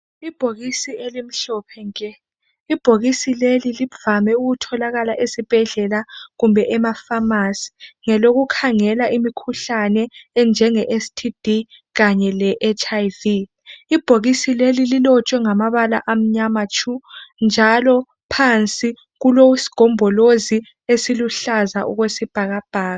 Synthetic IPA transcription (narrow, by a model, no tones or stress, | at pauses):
ib̥ʱoɣisielim̩ɬɔpʰɛŋkʼɛ | ib̥ʱoɣisileliliv̥amɛuɣutʰɔlaɣalaʔesib̥ʱɛɮɛlaɣumbʱɛʔɛmafamasi̥ŋɛloɣukʰaŋɛlaʔimikʰuɬanɛːnd͡ʒʱɛŋɛʔestʰid̥ʱi | ɣaɲɛlɛʔɛt͡ʃʰʼajvi | ib̥ʱoɣisilelililɔt͡ʃʼwɛŋamaβalaʔam̩ɲamat͡ʃʰʼund͡ʒʱalɔ | pʰant͡sʼi | ɣulowsi̥ɡ̥ʱɔmbʱɔlozi | esiluɬaza̰ʔuɣwesib̥ʱaɣab̥ʱaːɣa